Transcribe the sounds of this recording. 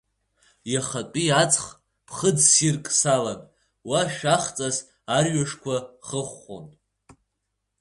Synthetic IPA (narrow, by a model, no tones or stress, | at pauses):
jaχapʼiat͡sʰʼχ | pʰχəd͡zsirkʼsalan | waʃᶣaχt͡sʼaz | arɥaʂkʷʰaχəχo̰n